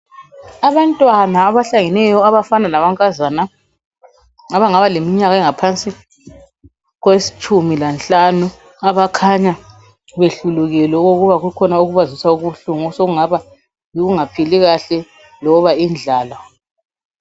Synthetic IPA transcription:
aβantʼwanaːβaɬaŋɛnɛjɔaβafananaβaŋkʼazana | aβaŋaβalemiɲaɣaɛŋapʰant͡sʼi | ɣwesi̥t͡ʃʼumilanɬʼanu | aβakʰaɲa | βeɬuluɣɛlɛɣoɣuβaɣukʰɔnauɣuβazisauɣuɬuŋsoɣuŋaβa | jiɣuŋapʰiliɣaɬɛ | lɔβaind͡ɮʱaːla

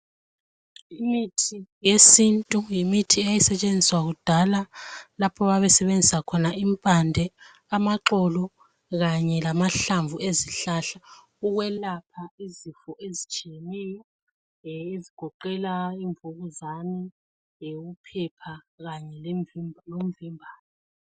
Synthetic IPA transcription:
imitʰijesintʼujimitʰiɛjɛsɛt͡ʃʼend͡zʱiswaɣud̥ʱalalapʰɔβaβɛsɛβend͡zʱisakʰɔnaʔimpʼandʱɛ | amaǁɔlɔ | ɣaɲɛlamaɬaɱvueziɬaɬa | uɣwɛlapʰaizifɔʔezit͡ʃʼijenɛjɔ | iziɡ̥ʱɔǃɛlaiɱvuɣuzani | upʰɛpʰa | ɣaɲɛllom̩vimbʱaːlɔ

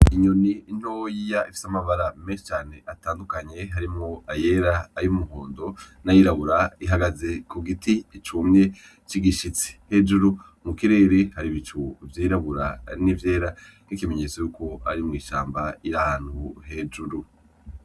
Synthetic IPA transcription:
iɲoniin̥ho̞jijaʔifi̥samaβaɾameːnʃi̥t͡ʃaːne̞ʔataːndukaɲe̞ɦaɾimŋoajeɾaːjumuɦoːndo̞najiɾaβuɾaiɦaɡaze̞kuɡitiːt͡ʃumɲe̞ | t͡ʃiɡiʃit͡si̥he̞d͡ʒuɾu | mukiɾe̞ːɾehaɾiβit͡ʃʰuvjiːɾaβuɾa̰nivje̞ːɾa | nikimeɲe̞t͡sojuko̞a̰ɾimŋiːʃaːmbaiɾahaːn̥huɦe̞d͡ʒuɾu

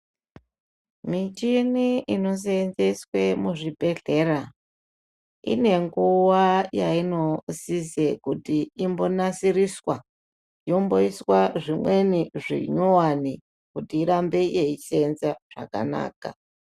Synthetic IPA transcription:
mit͡ʃiniino̞s̬enzeswe̞muʐibʱe̞ɮe̞ɾa | ḭne̞ŋɡuwajaino̞sizekutiːmbo̞nasiriswa | jo̞mbo̞iswaʐimwe̞niʐḭɲowani | kutiːɾambe̞jeit͡ʃenzaʐ̥a̰ka̰na̰ːka̰

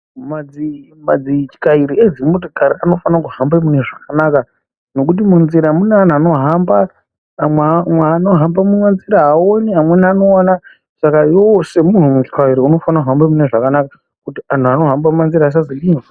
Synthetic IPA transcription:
mad͡zi | mad͡zit͡ʃi̥kaiɾied͡zimotikaɾiano̞fanakuɦambemuneʐakanaːka | no̞kut̬imunziɾamunean̤uano̞ɦamba | mwemweːno̞ɦambamuwanziɾaaoniamweniano̞ana | sakajose̞mun̤umut͡ʃi̥kaiɾiuno̞fanakuɦambemune̞ʐakanaka | kutian̤uano̞ɦambamumanziɾaːs̬aziɗiŋa

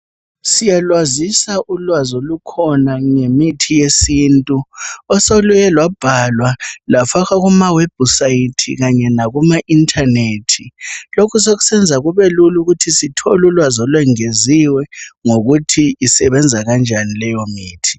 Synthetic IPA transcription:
sijalwazisaʔulwazolukʰɔnaŋemitʰijesiːntʼuɔsolujɛlwab̥ʱalwalafaɣaɣumaweb̥̚ʱusaitʰḭɣaɲɛnaɣumaʔintʰʼaneːtʰilokʰus̬oɣu̥sɛnd͡zʱaɣuβɛluluɣutʰisitʰolulwazɔlwɛŋeziwɛŋoɣutʰiisɛβɛnd͡zʱaɣand͡ʒʱanilɛjomiːtʰi̥

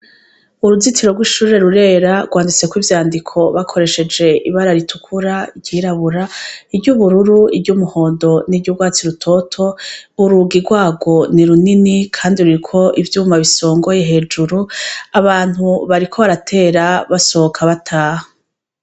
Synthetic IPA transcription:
uɾuzitʰiɾo̞ɡwiːʃuːɾe̞ɾuɾe̞ɾaɡwaːndit͡se̞kwiːvjaːndikʰo̞βakʰo̞ɾe̞ʃe̞d͡ʒe̞iβaɾaɾitʰukʰuɾaiɾɟiːɾaβuɾaibɟuβuɾuɾuibɟumuho̞ːndo̞niɟuɡwaːt͡siɾutʰo̞tʰo̞uɾuɡiɾɡwaːɡo̞niɾuninikʰaːndiuɾikʰo̞ʔivjuːmaβiso̞ːŋɡo̞je̞ɦe̞d͡ʒuɾuaβaːn̥huβaɾikʰo̞βaɾatʰe̞ːɾaβaso̞okʰaβatʰaːho

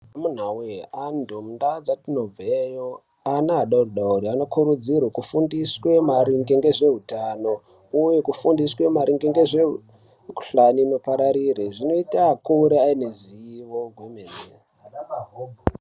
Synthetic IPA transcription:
amun̤aweandʱomundad͡zatino̞vejo | anaːɗauruɗauɾianokuɾud͡zirwakufundiswe̞maɾiŋɡeŋɡe̞ʐe̞ɦutano̞ | ujekufundiswemaɾiŋɡeŋɡeʐeu | ku̥ɬanino̞paɾaɾireʐino̞itaːkuɾeaineziiʋoɡʱwemene

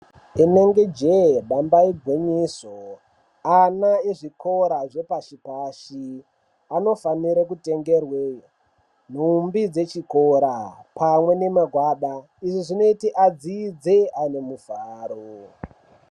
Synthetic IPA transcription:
ine̞ŋɡed͡ʒeɓambaiɡʱweɲiso | anaeʐiko̞ɾaʐe̞paʃipaʃi | ano̞faniɾekute̞ŋɡerwe | n̤umbid͡ze̞t͡ʃikoɾapamwe̞ne̞maɡʱwaːɗa | iʐiʐino̞itiʔad͡ziːd͡zeane̞muvaːɾo

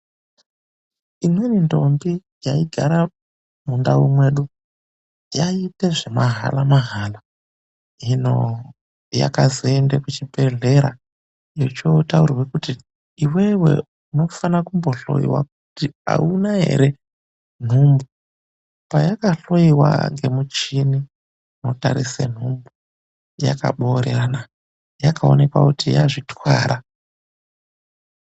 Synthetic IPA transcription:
imwenindo̞mbi | jaiɡʱaɾa | mundaumwe̞ːɗu | jaite̞ʐe̞maɦa̰lamaɦaːla | ino̞̰ | ja̰kazoendekut͡ʃibeɮe̞ɾa̰ | jo̞t͡ʃo̞taurwe̞kuti | iwe̞we̞̰ | uno̞fanakumbo̞ɬo̞̰jḭwa̰k̚utia̰unaɦe̞̰ɾe̞ | n̤umbu | pajakaɬo̞iwa̰ŋɡe̞mut͡ʃini | motaɾisḛn̤umbu | ja̰ka̰ɓoːɾerana | jakao̰ne̞kwa̰kutijaʐitwaːɾʔa

